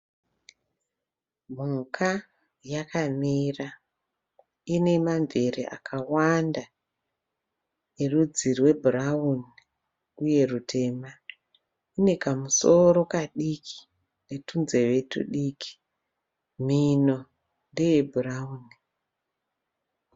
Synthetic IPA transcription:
m̤uŋkʰa | jakamira | ine̞maɱverḛʔa̰kʰawanda | nerud͡zirwe̞bʱurauni | uje̞rutʰe̞ːma | ine̞kamuso̞ɾo̞kaɗikʰi̥ | ne̞tunze̞ʋe̞tṵɗikʰi̥ | mino̞ | ndejebʱurauːni

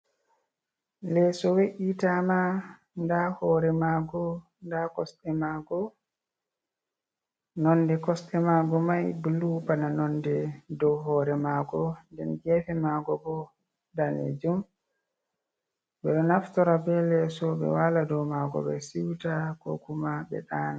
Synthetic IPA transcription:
lɛsɔweʔitama | ndahɔːɾɛmaɡɔ | ndakɔsɗɛmaɡɔ | nɔndɛkɔsɗɛmaɡɔmajbulupananɔndɛdɔwɦɔːɾɛmaɡɔndɛnd͡ʒɛfɛmaɡɔbɔ | dalḛd͡ʒum | bɛɗɔnaftɔɾabɛlɛsɔɓɛ̰waladɔwmaɡɔ̰bɛ̰siwtakɔ̰kumabɛ̰ɗana

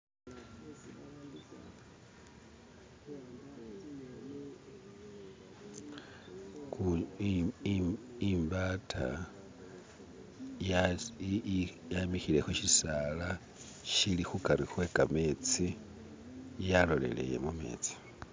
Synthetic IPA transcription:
ku | imbatʰa̰ | j | jamixile̞xoʃisaːla | ʃilixukaɾixwe̞ːkame̞ːt͡si | jalo̞le̞̰le̞̰je̞̰mume̞̰ːt͡si̥

